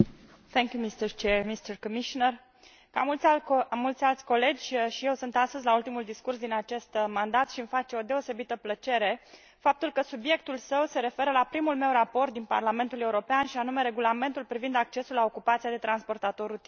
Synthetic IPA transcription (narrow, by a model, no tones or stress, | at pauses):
θʰɛŋkʲjumist̪əɾt͡ʃeɾmist̪ərkomiʃonər | ka̰mult̪sʲmult̪sʲalt̪sʲko̞le̞d͡ʒʲʃije̞wsunt̪ast̪əzʲlault̪imuld̪iskursd̪inat͡ʃe̞st̪mand̪at̪ʃimfat͡ʃe̞o̞d̪eo̞se̞bit̪əplət͡ʃe̞ɾe̞ | fap̚t̪ulkəsubje̞k̚t̪ulsəwse̞ɾe̞fe̞ɾəlapɾimulme̞wɾapo̞rt̪̚d̪inpa̰rlame̞nt̪ule̞uɾo̞peanʃianume̞ɾe̞ɡulame̞nt̪ulpɾivind̪ak̚t͡ʃe̞sulːao̞kupat̪siad̪e̞t̪ɾanspo̞rt̪at̪o̞ɾut̪i